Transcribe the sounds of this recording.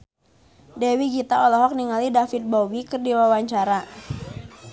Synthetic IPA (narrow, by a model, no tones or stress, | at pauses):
dɛwiɡit̪aɔlɔɦɔk̚niŋalidafit̪̚bowikɨrdiwawaɲt͡ʃaɾa